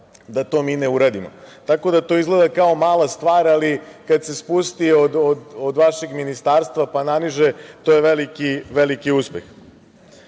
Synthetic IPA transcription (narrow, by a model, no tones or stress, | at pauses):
d̪at̪o̞miːneuɾad̪imo̰t̪ako̞d̪at̪o̞izɡle̞d̪akao̞maːlˠast̪ʋaːɾalikad̪se̞spust̪iod̪od̪od̪ʋaʃeɡminist̪aːɾst̪ʋapananiʒet̪o̞ːjeʋelikiʋelikiuspjex